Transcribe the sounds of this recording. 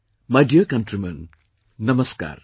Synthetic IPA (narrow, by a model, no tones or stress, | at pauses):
mɐɖijɐkɐnʈɾimɐn | nɐmɐska̰ːɾ